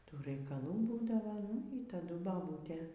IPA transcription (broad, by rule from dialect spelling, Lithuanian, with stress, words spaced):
ˈtuː rɐɪkɐˈlˠuː ˈbuːdɐʋoː nʊ iː tɐˈdʊ bɐˈbuːtʲeː